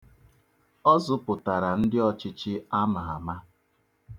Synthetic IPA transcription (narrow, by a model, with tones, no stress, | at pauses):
ɔ˦zʊ˦pʊ˨ta˨ɾa˨n̩˦dɪ˦ɔ˦t͡ʃɪ˦t͡ʃɪ˦a˦ma˨a˨ma˦